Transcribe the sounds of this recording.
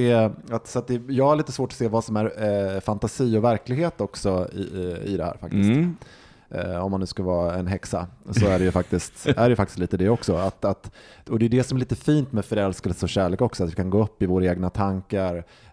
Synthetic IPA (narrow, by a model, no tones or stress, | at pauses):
ɛat̪sɔat̪̚d̪ɛjɑːɡhaɾɭiːt̪əsvoːʈɔ̥seːvɑːsɔmæɾfant̪asiːɔvæɾklɪɡheːt̪ɔksɔɪ̰ɪ̰d̪ɛhæ̰ːɾfa̰k̚t̪ɪs | ɔmːanːʉ̟ːskalvɑːɛnɦɛksa̰sɔæɖɛjɵfak̚t̪ɪst̪æɖɛjʏfak̚t̪ɪst̪liːt̪əd̪ɛɔksɔat̪at̪ɔd̪ɛjɵd̪ɛsɔmæɾliːt̪əfiːnt̪mɛːfœɾɛlskɛlsəɔɕæːɭeːkɔksɔat̪vɪkʰanɡoːɵpːɪvoːɾaeːɡnat̪ʰaŋkaɾ